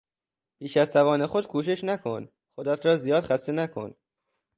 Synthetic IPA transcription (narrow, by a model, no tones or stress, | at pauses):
piːʃæzt̪ævɒːne̞xo̞d̪̥̚kʰuːʃe̞ʃnækʰon | xod̪æt̪ʰɾɒːzijɒːd̪xæst̪enækʰo̰n